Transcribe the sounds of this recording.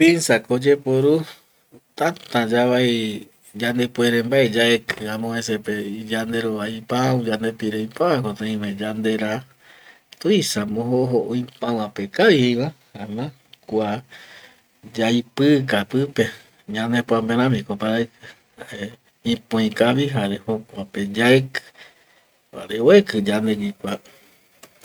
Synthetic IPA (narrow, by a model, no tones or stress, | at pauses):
pinsakod͡ʒepoɾu | t̪at̪ãd͡ʒaβai | d͡ʒand̪epweɾembaed͡ʒaekɨãmõhẽseped͡ʒand̪e̞ɾoajpaũd͡ʒand̪epiɾejpaãkot̪ẽĩmẽd͡ʒand̪e̞ɾa | t̪ojsamõɦoɦoʔõjpãwãpekaɾihiwahamã | kʷa | d͡ʒajpɨkapɨpe | ɲãnd̪epoãmpẽɾ̃ãmikopaɾakɨ | ae | ĩpõĩkaβiɦaɾehokʷaped͡ʒaekɨ̥ | a̰ɾeoekɨd͡ʒand̪eɡikʷa